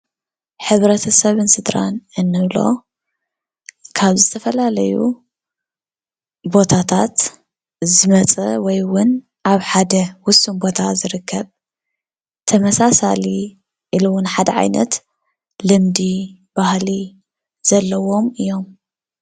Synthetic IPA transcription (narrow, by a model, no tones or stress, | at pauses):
ħɨβɾɐt̪ʰɐsɐβɨnsɨd̪ɾa̰nɨnːɨβlo̞̰ | kʰaβzɨt̪ʰɐfɐlalɐjṵ | bo̞t̪ʰat̪ʰat̪ | zɨmɐt͡sʼɐwɔjwʊn | ʔaβħad̪ɐwʊsumbo̞t̪ʰazɨɾɨkʰːɐβ | t̪ʰɐmɐsasali | ʔiluwʊnħad̪ɐʕa̰jnɐ̰t̪ | lɨmd̪ib̥ahli | z̥ɐlːɐwo̞mɨjːo̞m